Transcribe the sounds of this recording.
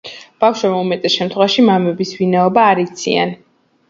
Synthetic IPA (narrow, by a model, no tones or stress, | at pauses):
b̥afʃwɛmumɛt̪ʼɛsʃɛmt̪ʰχwɛvaʃimamɛbisvinaɔbaːɾit̪sʰia̰n